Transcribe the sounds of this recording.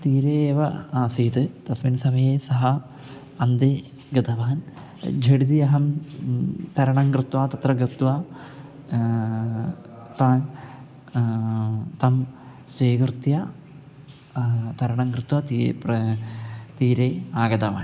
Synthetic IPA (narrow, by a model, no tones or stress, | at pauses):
t̪iːɾeeːʋɐaːsiːt̪ɨt̪ɐsminsɐmɐjeːsɐɦɐː | nd̪eː | ɡɐd̪ʱɐʋaːn | d͡ʑʱeɽid̪ijɐɦɐm | t̪ɐɾɐɳɐŋkɾɨt̪waːt̪ɐt̪rɐɡɾɨt̪ʋaː | t̪aːn | t̪ɐm | seːkrt̪ja | t̪ɐɾɐɳɐŋkrɨt̪wat̪ːp | t̪iːɾeːaːɡɐd̪ɐʋa̰ːn